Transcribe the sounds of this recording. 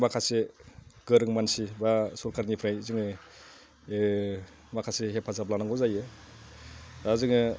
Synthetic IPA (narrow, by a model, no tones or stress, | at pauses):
makʰaseɡɯɾɯŋmansibasuɾkʰaɾnipʰɾajzɯŋɯ | makʰaseɦepʰazablanaŋɡɔzajɯ | bazɯŋɯ